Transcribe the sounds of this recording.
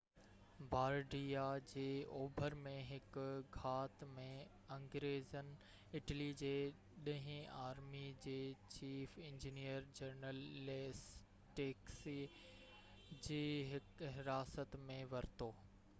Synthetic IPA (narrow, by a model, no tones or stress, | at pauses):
bʱaːɾɖijad͡ʑeːoːbʱəɾmẽɦɪkɡʱaːt̪mẽ | ɐ̃ŋɡɾeːzənɪ̆ | ɪʈlid͡ʑeː | ɗɐ̃ɦɪ̃aːɾmid͡ʑeːt͡ɕiːfɪ̃ɲd͡ʑinijəɾd͡ʑɐɾnəles | ʈeːksi | d͡ʑeːɦɪkɦɪɾaːsət̪mẽʋɐɾɪt̪oː